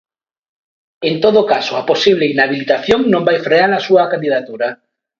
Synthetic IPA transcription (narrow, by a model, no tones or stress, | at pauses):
ent̪oðokasʊaposiβleinaβilit̪aθjoŋnõmbajfɾeanasuɐkand̪iðat̪uɾa